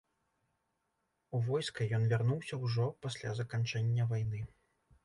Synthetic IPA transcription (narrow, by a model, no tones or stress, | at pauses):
uvɔjskɐjɔnvʲarnuwsʲɐwʐɔpasʲlʲa̰zɐkant͡ʂɛnʲːɐvajn̪ɨ